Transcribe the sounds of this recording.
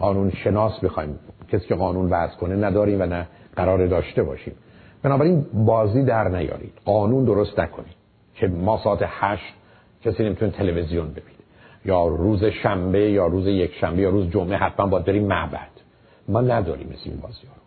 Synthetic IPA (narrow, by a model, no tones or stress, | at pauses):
ɢɒːnuːnʃe̞nɒːsbexɒːjimcʰesiːcʰeɣɒːnuːnvæz̥kʰonenæd̪ɒːɾiːmvænæɡ̥æɾɒːɾed̪ɒːʃt̪e̞bɒ̰ːʃḭːm | b̥enɒːbæɾiːnbɒːziːd̪æɾnæjɒ̰ːɾḭːd̪̥ɢɒːnuːnd̪oɾost̪nækʰoni̥ː | cʰe̞mɒːsɒːæt̪ʰehæʃt̪ | cʰesiːne̞mit̪ʰunit̪ʰe̞levezijonbe̞b̥i̥ːne | jɒːɾuːzeʃæmbejɒːɾuːzejekʰʃæmbejɒːɾuːzd͡ʒomʔeɦæt̪ʰmænbɒːjæd̪beɾiːmːæʔbæ̰d̪̥ | mɒːnæd̪ɒ̰ːɾḭːmːeslḛḭnbɒ̰ːzijɒːɾo